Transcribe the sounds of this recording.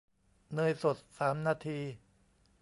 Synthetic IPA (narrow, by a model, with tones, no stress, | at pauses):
nɯː˧jso˨˩t̪̚saː˩˦mnaː˧t̪ʰiː˧